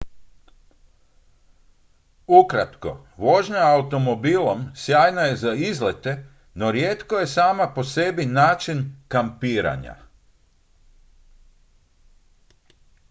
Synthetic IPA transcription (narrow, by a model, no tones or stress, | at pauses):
ukɾat̪ko̞̰ | ʋo̞ʒɲaːut̪o̞mo̞biːlomsjaːjnaje̞zaizle̞t̪e̞ | no̞ɾjeːt̪ko̞je̞saːmapo̞se̞binaːt͡ʃinkampiːɾa̰ɲa̰